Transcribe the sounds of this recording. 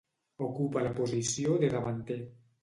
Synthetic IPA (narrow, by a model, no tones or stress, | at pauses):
okupalapozisjoðeðaβant̪e